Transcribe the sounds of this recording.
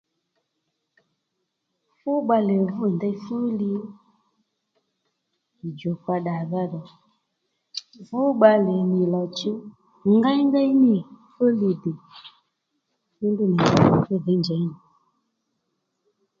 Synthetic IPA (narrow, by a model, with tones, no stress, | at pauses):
fu˦ɓa˧lɛ˨vu˦˨nda˦jfu˦li˧˨ | d͡ʒɔ˨kwa˧ɗa˨ða˦ɗɔ˨ | vu˦ɓa˧lɛ˨ni˨la˨t͡ʃu˦ | ŋɡa˦ji˦ŋɡa˦jni˦fu˦li˧de˨ | fi˦ndu˦˨nɛ˨a˨fɛ˦ðe˨˦nd͡ʒa˨i˦ni˨